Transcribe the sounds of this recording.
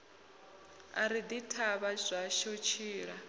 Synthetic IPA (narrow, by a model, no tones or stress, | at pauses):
a̰ɾid̪itʰaβazʷaʃot͡ʃʰiːɺa